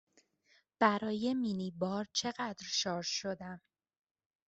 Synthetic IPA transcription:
b̥æɾɒːjeminibɒːɾt͡ʃʰe̞ɣæd̪ɾʃɒːɾʃo̞d̪æm

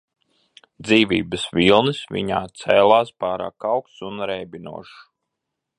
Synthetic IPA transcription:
d̪ziːvʲḭːbəsʋʲilˠnisvḭɲaːt̪sɛːlˠaːspaːɾa̰ːkawkt̪sunɾɛjbʲinṵɔʃ

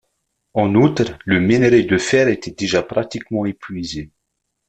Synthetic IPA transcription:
ɑ̃nut̪χləmeneʁed̪əfɛːʁet̪ɛd̪eʒapχat̪ikmɑ̃epɥize

